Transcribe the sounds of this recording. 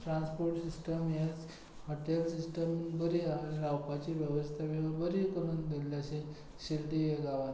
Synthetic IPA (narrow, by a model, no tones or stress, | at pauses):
ʈɾãnspoɾʈsisʈəmjat͡s | hɔʈelsisʈəmɡəɾiailawpat͡ɕiʋjəʋəst̪ʰaʋiʋabəɾikəɾund̪elːaɕe | ɕilʈ̪iʋeɡaʋa